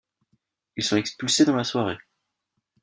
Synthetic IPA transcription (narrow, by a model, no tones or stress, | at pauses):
ilsɔ̃ɛkspylsed̪ɑ̃laswaʁe